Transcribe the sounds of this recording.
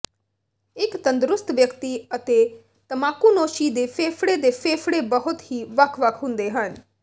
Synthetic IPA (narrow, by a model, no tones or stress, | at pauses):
ɪkt̪ə̃nd̪ɾʊst̪ʋjəkt̪iət̪eː | t̪əmaːkunoːʃid̪eːpʰeːfʰɽed̪eːpʰeːpʰɽebəɦʊt̪ɦiːʋəkʰʋəkʰɦʊ̃nd̪eːɦən